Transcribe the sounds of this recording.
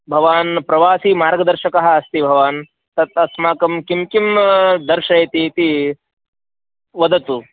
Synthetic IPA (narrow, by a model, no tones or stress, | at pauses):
bʱɐʋaːnpɾɐʋaːsimaːɾɡɐd̪ɐɾʃɐkɐɦɐ̆ɐst̪ibʱɐʋaːn | t̪ɐt̪ɐsmaːkɐmkimkimd̪ɐɾʃɐjt̪iːt̪i | ʋɐd̪ɐt̪u